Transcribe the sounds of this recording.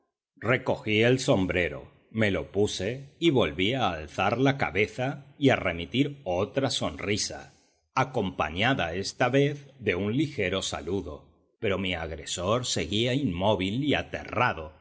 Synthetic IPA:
re̞ko̞xielso̞mbɾe̞ɾo̞̰ | me̞lo̞puse̞iβo̞lβiaːlθaɾlaka̰βe̞θaiare̞mit̪iɾo̞t̪ɾaso̞nrisa̰ | ako̞mpa̰ɲaðae̞st̪aβe̞θðe̞unlixe̞ɾo̞sa̰luðo̞ | pe̞ɾo̞miaɣɾe̞so̞ɾse̞ɣiaimːo̞βilia̰t̪e̞̰raðo̞

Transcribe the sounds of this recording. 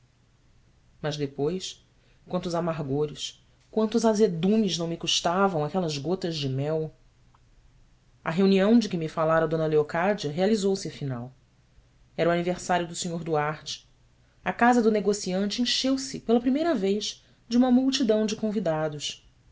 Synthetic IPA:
mɐʒd̪epojs | kwɐ̃nt̪ʊzamaɦɡoɾɪs | kwɐ̃nt̪ʊzazed̪ũmiznɐ̃w̃mɪkuʃt̪avɐ̃w̃akɛlɐzɡot̪ɐʒd͡ʒɪmɛw | ɐ̰ɦeuniɐ̃w̃d͡ʒɪkɪmifalaɾɐd̪õnɐleokad͡ʒiɐɦealizowsɪɐfina̰w | ɛɾuaniveχsaɾjʊd̪ʊsɪɲoɾd̪uaɾt͡ʃɪ̥ | ɐkazɐd̪ʊneɡosiɐ̃nt͡ʃɪẽʃewsɪpelɐpɾimejɾɐvejʃ | d͡ʒɪũmɐmuwt͡ʃid̪ɐ̃w̃d͡ʒɪkõvid̪ad̪ʊʃ

